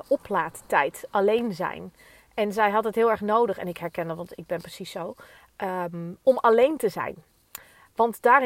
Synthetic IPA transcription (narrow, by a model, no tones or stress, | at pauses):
ʔɔplaːttɛjtalejnzɛ̰jn | ɛnzɛjɦɑtətɦɪːlˠɛɹχnowdəχɛ̰nɪkɦɛɹkɛnəʋɑntɪɡ̚bɛnprəsisow | ɔmalejntəzɛ̰jn | ʋɑntd̥aːr